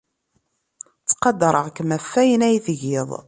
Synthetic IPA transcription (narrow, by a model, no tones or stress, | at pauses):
t͡sːqɑd̪ɾˤəʁkəmæfːæjənæjθʝɪðˤ